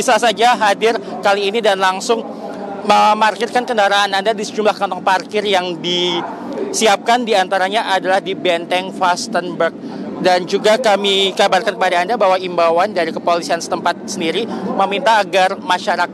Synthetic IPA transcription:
bisasad͡ʒaɦadɪrkaliːnidanlaŋsʊŋ | məmarkɪrkankəndaɾaanandadisəd͡ʒumlahkɔnt̪ɔŋparkɪrjaŋdi | siap̚kandiant̪aɾaɲaʔadalahdibɛnt̪ɛŋfast̪ənbərk̚ | dand͡ʒuɡakamiɡabarkankəpadaːndabaɦwaimbawandaɾikəpolisiansə̥t̪əmpat̪̚səndiɾiməmint̪aːɡarmaʃaɾak

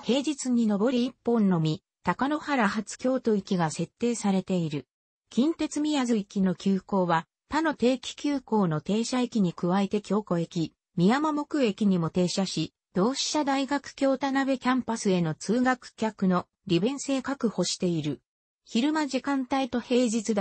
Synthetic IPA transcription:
he̞ːd͡ʑit͡sɨɲ̟ino̞bo̞ɾiipːõ̞nːo̞mʲi | t̪akano̞haɾaɦat͡sɨ̥kʲo̞ːt̪o̞ikʲiɡase̞t̪ːe̞ːsaɾe̞t̪e̞iɾɯ̟ | kʲĩnt̪e̞t͡sɨmʲijazɨikʲino̞kʲɨːko̞ːβa | t̪ano̞t̪e̞ːkʲi̥kʲɨːko̞ːno̞t̪e̞ːɕaekʲiɲ̟ikɯ̟βaet̪e̞kʲo̞ːko̞e̞kʲi | mʲijamamo̞kɯ̟e̞kʲiɲ̟imo̞t̪e̞ːɕaɕi | d̪̥o̞ːɕi̥t̪ad̪aiɡakɯ̟̥kʲo̞ːt̪anabe̞kʲãmpasɨe̞no̞t͡sɨːɡakɯ̟̥kʲakɯ̟no̞ | ɾʲibẽ̞ɰ̃se̞ːkakɯ̟ho̞ɕi̥t̪e̞iɾɯ̟ | çiɾɯ̟maʑikãnt̪ait̪o̞he̞ːʑit͡sɨd̪

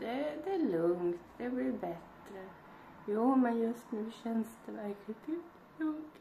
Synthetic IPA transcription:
d̪ɛd̪ɛælʉŋt̪d̪ɛblɪɾbɛt̪ɾə | juːmɛnjʉst̪nɔd̪ɪçɛnst̪ʰəʋæɾklɪt̪ʰiːd̪ | u

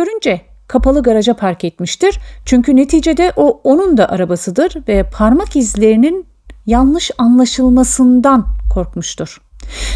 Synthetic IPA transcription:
øɾynd͡ʒɛ | kʰapalˠɯɡaɾad͡ʒapʰaɾcɛt̪miʃt̪iɾ̥t͡ʃʰyɲcyne̞t̪ʰiːd͡ʒed̪ɛʔoonund̪aʔaɾabasɯd̪ɯɾvɛpʰaɾmakizlʲe̞ɾinin | janˠlˠɯʃanlˠaʃɯlˠmasɯnd̪ankʰo̞ɾkmuʃt̪ʰuɾ̥

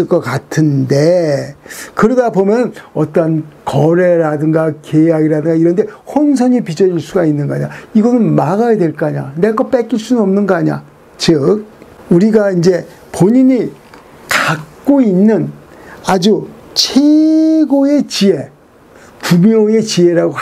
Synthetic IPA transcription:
ɯɭk͈ʌkatʰɯnde̞ | kɯɾʌdabomjʌnɯnʌt͈ʌnkʌɾe̞ɾadɯŋɡakejaɡiɾadɯŋɡaiɾʌnde̞hʌns̬ʰʌɲipid͡ʑʌɾiɭs͈uɡainːɯnɡʌaɲaiɡʌnɯnmaɡajadweɭk͈aɲa̰ne̞ɡʌp͈ek͈iɭs͈unɯnʌmnɯnɡʌaɲa̰ | t͡ɕɯk̚uɾiɡaind͡ʑe̞ | poɲiɲi | kak̚k͈oinːɯnad͡ʑut͡ɕʰeɡoe̞t͡ɕie̞ | pumjoe̞t͡ɕie̞ɾaɡo

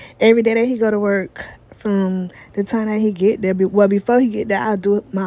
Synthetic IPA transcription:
ɛvɹideɪɾhiɡoʊɾəwɜ˞kfɹʌ̃mðɨtʰãɪ̃mðɨt̚hiɡɛt̪̚ðəbɨwɛlˠbɨfɔɹhiɡɛt̪̚ðə˞a̰ɪlˠdəma

